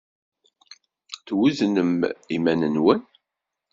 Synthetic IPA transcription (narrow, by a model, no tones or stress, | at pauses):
θwuznəmimænənwən